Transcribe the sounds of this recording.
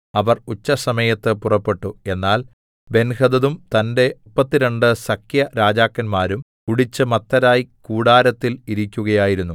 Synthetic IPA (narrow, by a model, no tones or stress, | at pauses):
ɐʋɐrut͡ɕːɐsɐmɐjɐt̪ːɨpurɐpːe̞ʈːue̞nːaːl | be̞nhɐðɐðumt̪ɐnde̞pːɐt̪ːiɾɐɳɖɨsɐkʰjɐɾaːd͡ʑaːkːɐnmaːɾum | kuɽit͡ɕːɨmɐt̪ːɐɾaːjikuːɽaːɾɐt̪ːiliɾikʲːuɣɐjaːjiɾunːu